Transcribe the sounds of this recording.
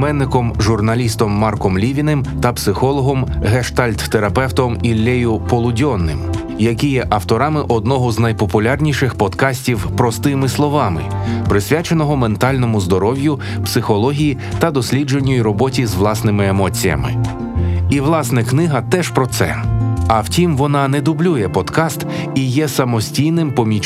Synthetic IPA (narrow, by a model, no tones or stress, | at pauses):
mɛnːɪkɔmʒʊrnɐlʲist̪ɔmːɑrkɔmlʲiʋʲinɪmt̪ɐpsɪxɔlˠɔɦɔmɦeʃt̪alʲt̪ːeɾɐpɛwt̪ɔmilʲːɛjʊpɔlˠʊdʲɔnːɪ̰m | jɐkʲijɛʔɐwt̪ɔɾɑmɪʔɔd̪̚nɔɦɔznɐjpɔpʊlʲarnʲiʃɪxpɔd̪kɑsʲtʲiwpɾɔst̪ɪmɪslˠɔʋɑmɪ̰pɾɪsʲʋʲjat͡ʃenɔɦɔment̪ɑlʲnɔmʊzd̪ɔɾɔwjʊ | psɪxɔlˠɔɦʲiji | t̪ɐd̪ɔsʲlʲid͡ʒe̞nʲːɔjiɾɔbɔtʲizʋlˠɑsnɪmɪemɔt͡sʲijɐ̰mɪ̰ | iʋlˠɑsnɛknɪɦɐt̪ɛʃpɾɔt̪sɛ̰ɐwtʲimʋɔnɑnɛd̪ʊblʲujɛpɔd̪̥kɑst̪ | ijɛsɐmɔsʲtʲijnɪmpɔmʲit͡ʃ